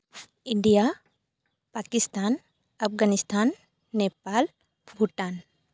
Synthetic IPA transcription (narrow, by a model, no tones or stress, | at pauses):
iɳɖija | pakist̪an | ɐpɡanist̪ʰanː | epal | bʱuʈan